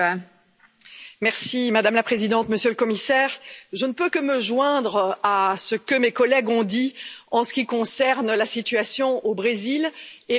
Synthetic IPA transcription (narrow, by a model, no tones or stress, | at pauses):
mɛʁsimad̪amlapχezid̪ɑ̃t̪məsjøləkɔmisɛːʁʒənəpøkəməʒwɛ̃d̪ʁasəkəmekɔlɛɡɔ̃d̪iɑ̃sə̥kʲikɔ̃sɛʁnlasit̪yasjɔ̃obʁezile